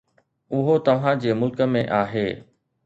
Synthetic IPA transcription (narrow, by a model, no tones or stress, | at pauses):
ʊɦot̪ɐʋ̤ãd͡ʑeːmʊlkə̆mẽʔaːɦeː